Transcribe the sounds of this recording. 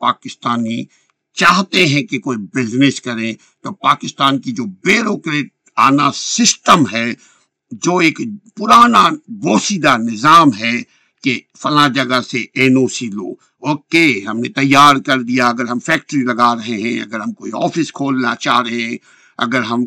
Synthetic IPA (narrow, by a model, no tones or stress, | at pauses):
paːkɪst̪aːni | t͡ʃaːɦt̪eɦɛ̃kekoːibɪznɪskɐɾẽ | t̪oːpaːkɪst̪aːnkid͡ʒoːbeːɾoːkɾeːʈ̚ | aːnasɪsʈəmɦɛ | d͡ʒoːeːkpʊɾaːnaboːsid̪anɪzaːmɦɛ | ke | fɐlãd͡ʒɐɡaseeːnoːsilo̰ːɡ | oːkeɦɐmnet̪ɐjːaːɾkɐɾd̪ijaɐɡəɾɦɐmfɛːk̚ʈɾilɐɡaɾɐɦeɦɛ̃ɐ̰ɡəɾɦɐmkoːiɔ̰ːfɪskʰoːlna̰t͡ʃa̰ːɾɐɦeɛ̃ | ɐ̰ɡəɾɦɐm